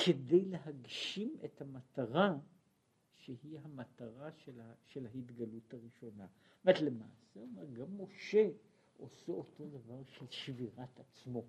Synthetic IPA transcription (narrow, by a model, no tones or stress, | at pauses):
kʰedejle̞ɦaɡʃimethamataʁa | ʃehiɦamataʁaʃelaʃe̞lhahitɡaluthaʁiʃo̞navatle̞ma̰ːseomeʁɡamːo̞ʃe̞ | ʔo̞seoto̞d̪avaʁʃelʃviʁatat͡smo̞